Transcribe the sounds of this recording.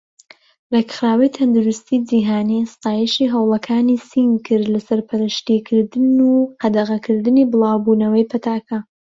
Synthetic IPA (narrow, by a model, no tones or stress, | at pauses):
rekχɾaːwijt̪ʰɐnd̪uɾʊst̪ʰid͡ʒiːɦaːnist̪aːjɛʃiːɦɐwlˠɐkʰaːnisiŋkʰɨɾlasɐɾpʰɐɾɨʃt̪ikʰɨɾd̪ɨnuhɐd̪ɐʁɐkʰɨɾd̪ɨniːbɨlˠaːwbuːnɐwɐjpʰɐt̪ʰaːkʰɐ